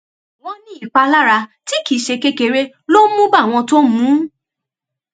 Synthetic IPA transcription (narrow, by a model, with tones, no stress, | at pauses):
w̃ɔ̃˧nĩ˦i˨k͡pa˧la˦ɾa˧ti˦ki˨˦ʃe˧ke˦˧ke˧ɾe˧ | lo˦mũ˦ba˦˨w̃ɔ̃˧to˦mũ˨˦